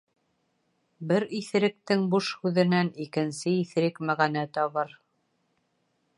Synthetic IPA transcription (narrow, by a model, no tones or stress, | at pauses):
bɘɾiθ̆ɾɘ̆k̚t̪ɘŋbuʃhʉðɘ̆nænikɘ̆nsɘiθɾɘkmæʁænæt̪ɒβɤɾ